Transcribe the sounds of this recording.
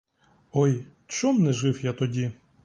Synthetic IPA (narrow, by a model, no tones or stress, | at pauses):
ɔj | t͡ʃɔmnɛʒɪwjat̪ɔdʲi